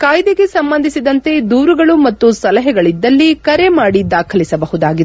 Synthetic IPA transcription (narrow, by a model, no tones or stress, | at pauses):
kaːjd̪eɡe̞sɐmbɐnd̪ʱisid̪ɐnt̪e̞d̪uːɾuɡɐɭumɐt̪ːusɐlɐɦɛɡɐɭid̪ːɐlːikɐɾe̞maːɽid̪aːkʰɐlisɐbɐɦud̪aːɡid̪e